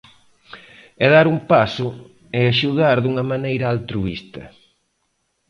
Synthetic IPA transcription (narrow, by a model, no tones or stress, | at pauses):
ɛðaɾumpasʊ | ɪaʃuðaɾðuŋɐmanejɾɐalt̪ɾuḭst̪ɐ̰